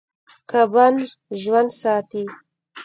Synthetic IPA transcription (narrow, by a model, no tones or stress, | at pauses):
kaban | ʒwand̪sɑːt̪i